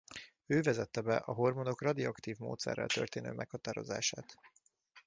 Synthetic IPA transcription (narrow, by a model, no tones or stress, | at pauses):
øːvɛzɛt̪ːɛbɛʔɒɦo̞rmo̞d̪o̞krɒd̪iɒkt̪iːvmo̰ːt̪sɛ̰rːɛ̰lt̪ø̞rt̪eːnø̰ːmʔɛkhɒt̪aːɾo̞̰za̰ːʃaːt̪